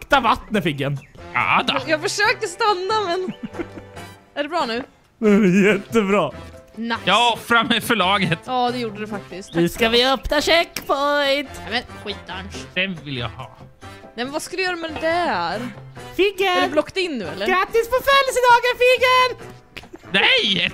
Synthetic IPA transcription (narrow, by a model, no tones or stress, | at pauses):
kt̪avat̪nəfɪɡːəna̰d̪ajɑːɡfəʂøːkəst̪anːamɛn | æɖɛbɾɑːnʉ̟ː | nʉæɾɛjɛt̪ːəbɾɑːnajɑɔfɾamɛfœɭɑːɡət̪jɑːd̪ɛjuːɖəd̪ɛfak̚t̪ɪskt̪ʉskavɪœpnaɕɛkːfɔt̪ɛmɛnɧiːt̪lanʂd̥̪ɛmvɪlja̰ɡhɑ̰ː | nɛmɛnvaskald̪jœːɾamɛdd̪ɛɾfɪɡədɾblɔkːt̪ɪnːʉ̟ːɛ̰lːəɾɡɾat̪ːɪsfɔfœljsəd̪ɑːɡaɾfɪɡəɾ | nɛj